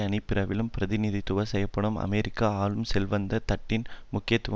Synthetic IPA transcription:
ɐnɪpːɪɾɐʋɪlɯmpɪɾɐðɪnɪðit̪ʊʋɐsɛjɐpːɐɳɐmɐ̰meːɾɪkːaaːlɯmsɛlʋɐnd̪ɐt̪ɐʈːɪnmʊkːɪjɐt̪ːʊʋ

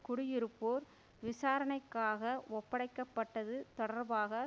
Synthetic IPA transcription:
kʊɽɪjɪɾɯpːoːɾ | ʋɪsaːɾɐnɐɪkːaːɣɐʔɔpːɐɽɐɪkːɐpːɐʈːɐðɯt̪ɔɽɐɾbaːɣɐ

